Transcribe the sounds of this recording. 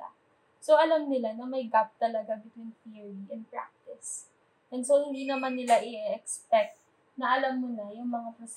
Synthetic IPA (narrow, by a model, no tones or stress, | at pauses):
a̰ | soʔɐlamnɪlanɐmɐjɡap̚t̪ɐlɐɡabɪt̪winθiɹiʔɛn̚pɹa̰k̚t̪ɪs | ʔɛnsohɪnd̪inɐmanːɪlaʔɪɛkspɛk̚t̪̚ | nɐʔɐlamːʊnajʊŋmɐŋapɾɐs